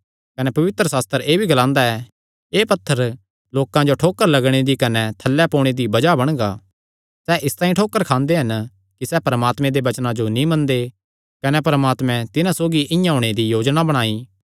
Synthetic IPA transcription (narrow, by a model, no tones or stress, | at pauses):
kɐnɛpɐʋɪt̪ɾəsaːst̪əɾeːbʱiɡɐlãːnd̪aɛ | eːpɐt̪ʰːəɾ | loːkãd͡ʒoʈʰoːkːəɾlɐɡɽ̃ed̪ikɐnɛt̪ʰɐlːɛpoːɽ̃ed̪ibɐd͡ʒabɐɽ̃ɡaː | sɛʔɪst̪ãːĩʈʰoːkːəɾkʰãːnd̪eɦɐn | kisɛpɐɾəmaːt̪mɛ̃d̪eʋɐt͡ʃnãd͡ʒonĩmɐ̃nd̪e | kɐnɛpɐɾəmaːt̪mɛ̃t̪ɪnãsoːɡiʔɪ̃jãɦõːɽ̃ed̪ijoːd͡ʒnabɐɽ̃aːi